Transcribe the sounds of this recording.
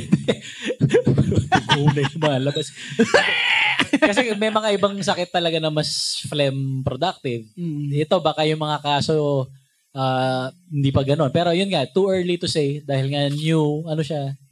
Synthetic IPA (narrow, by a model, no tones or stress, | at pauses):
d̪ɛ | khuːnɐjjʊŋmɐŋalɐbas | kɐsɛmɛjmɐŋaʔɪbɐŋsɐkɪt̪ːɐlɐɡanɐmɐsflɛmpɾod̪ak̚t̪ɪvɛt̪o̞baːkajʊŋmɐŋakaːso̞ | ʔaːhɪnd̪iːpɐɡɐno̞npɛːɾo̞jʊnŋɐt̪uʔɛɹlit̪ʊsejd̪aːhɪlŋanjuʔɐnoʃa